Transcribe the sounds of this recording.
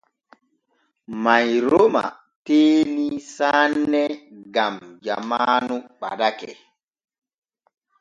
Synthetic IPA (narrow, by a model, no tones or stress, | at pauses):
majɾoma̰ | teːnisaːnːɛɡamd͡ʒa̰manuɓa̰ɗakɛ̰